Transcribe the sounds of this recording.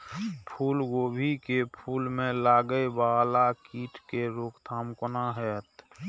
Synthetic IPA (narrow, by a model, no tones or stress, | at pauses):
pʰuːlɡoːbʱikepʰuːlmẽlaːɡəjbaːlakiːʈkeɾoːkt̪ʰaːmkʊnaɦɛt̪